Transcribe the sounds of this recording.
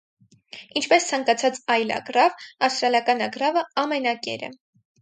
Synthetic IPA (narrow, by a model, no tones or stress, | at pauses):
int͡ʃʰpɛst͡sʰɑŋkɑt͡sʰɑt͡sɑjlɑ̰ɡrɑvɑfst̪ɾɑljɑkɑnɑɡɾɑvəɑmɛnɑkɛ̰ɾɛ̰